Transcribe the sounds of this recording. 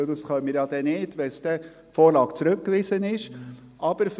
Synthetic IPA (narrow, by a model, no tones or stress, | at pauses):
d̪usχœmiːɾjɑd̥̪ɛnɪdʋɛsd̥̪ɛ | foːɾlɑːkt͡sɾɵkːvɪzənɪʃ | ʔɑb̥əɾf